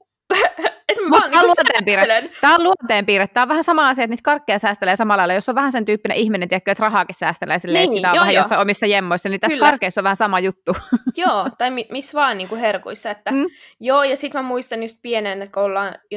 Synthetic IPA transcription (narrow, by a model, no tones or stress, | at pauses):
emullunt̪eːmpiːɾelent̪æːoluont̪eːmpiːɾet̪t̪ːæːoʋæhæsɑmɑɑsiɑet̪niːt̪kɑrkːejɑsæːst̪eleːsɑmɑlːɑilːɑjosːoʋʋæhænsent̪yːpːinḛʔihminent̪iekːøːet̪rɑhɑːkissæːst̪elḛːsilːeːsit̪æoʋæhæjossːɑomisːɑjemːoisːɑnit̪æslːkɑrkːˑeisːoʋʋæhæsɑmɑjut̪ːujoːt̪ɑimimisːʋɑːnniːŋkuherkoisːɑet̪ːæjoːjɑsit̪mæmuist̪ɑnjust̪̚pienenkolːɑːnjo